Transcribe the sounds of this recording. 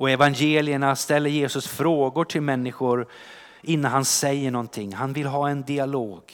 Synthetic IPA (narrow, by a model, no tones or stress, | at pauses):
ɔɛvanjeːlɪəɳast̪ɛlːəɾjeːsɵsfɾoːɡʊʈʰɪlmɛnːɪɧʊɾ | ʔɪnːanɦhansɛjːəɳɔnt̪ʰɪŋːhanvɪlɦɑːɛnd̪ɪaloːɡ̥